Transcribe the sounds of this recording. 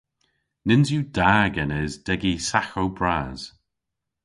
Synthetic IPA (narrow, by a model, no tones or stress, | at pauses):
nɪnzjud̥aːɡɛnɛzdɛɡisaxowbɹaːz̥